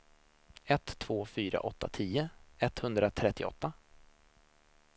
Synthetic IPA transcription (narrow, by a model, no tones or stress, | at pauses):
ɛt̪ʰːv̥oːfyːɾa̰ʔɔt̪ːa̰t̪ʰiːəɛt̪ːhɵnd̪ɾat̪ʰɾɛt̪ːɪɔ̰t̪ːa